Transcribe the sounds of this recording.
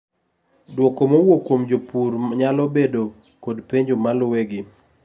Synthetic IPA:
dwɔkomowokwomd͡ʒopuɾɲalɔbedo | kodpeɲd͡ʒomalʊweɡɪ

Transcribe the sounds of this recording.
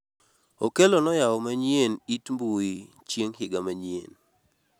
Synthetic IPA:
okelonɔjaɔmaɲjenitmbui | t͡ʃjeŋɦɪɡamaɲḛn

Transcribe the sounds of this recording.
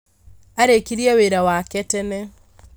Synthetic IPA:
aɾekiɾiaweɾawakɛtɛnɛ

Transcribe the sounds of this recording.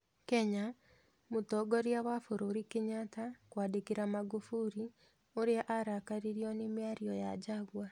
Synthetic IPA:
kɛɲa | mutɔɡɔɾjawafoɾoɾikiɲatakwaːdekiɾamaɡufuɾi | oɾeaʔaɾakaɾiɾiɔnimjaɾjɔja̰d͡ʑaɣwa

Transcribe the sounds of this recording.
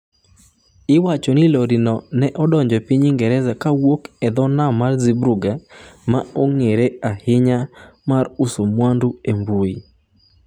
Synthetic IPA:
ɪwat͡ʃɔnɪloɾinɔnɛʔɔdɔɲd͡ʒɔpiɲɪŋɡɛɾɛzakawokɛd̪ɔnamarzibɾuɡamaoŋeɾeahɪɲamarusomwanduembui

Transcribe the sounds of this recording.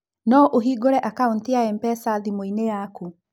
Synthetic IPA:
nɔʔoɦiɡoɾɛʔakauntiaempɛsaðimoinejaku

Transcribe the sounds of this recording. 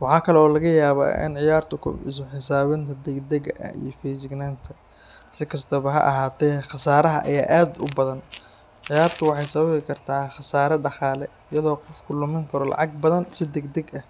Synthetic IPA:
wɑħɑːkʰɐlɛɔːlɐɣɐjaːβa̰ːʔɪ̰nʕɪjaːrt̪ʰʊkʰʊ̰ɪ̰s̬ʊħɪs̬aːβɪnt̪ʰɐd̪ɛɡd̪ɛɡɐʔɐ̰ḭjɞfɛsɪɡnaːnt̪ʰɐ | sɪkʰɐst̪ʰɐβɐɦɐ̰ʔɐ̰ɦaːt̪ʰɛːxɑsaːɾɐɦɐʔɐ̰jaːʔaːd̪ʊbɐðɐn | ʕɪjaːrt̪ʰʊwɑħɑjsɐβɐβɪkʰɐrt̪ʰaːχɑsaːɾɐɖɑqɑːlɛ | ɪjɐðɔːqɔfkʰʊlʊmɪŋkʰɐɾɔlɑ̰ʕɑɡ̚bɐðɐnsɪd̪ɛɡd̪ɛɡɐh

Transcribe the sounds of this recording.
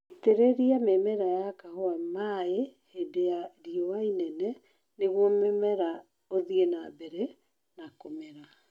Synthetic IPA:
iteɾeɾiamemɛɾajakahoamaehedeaɾiɔwainɛnɛ | neɣwɔmemɛɾa | oðienabɛɾɛ | nakomɛɾa

